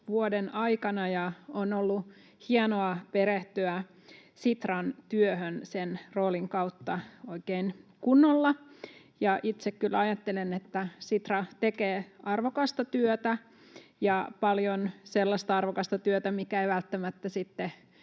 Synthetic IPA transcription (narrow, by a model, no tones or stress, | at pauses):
ʋuodenɑikɑnɑjɑonolːu | hiɑnoɑpeɾeht̪yæ | sit̪rɑnt̪yøhønsenroːliŋkɑwt̪ːɑoikeinkunːolːɑ | jɑʔit̪sekkylɑjɑt̪ːelenet̪ːæsit̪rɑt̪ekeːʔɑrʋokɑst̪ɑt̪yøt̪æ | jɑpɑljonselːɑst̪ɑɑrʋokɑst̪ɑt̪yøt̪æmikæeiʋælt̪ːæmæt̪ːæsit̪ːe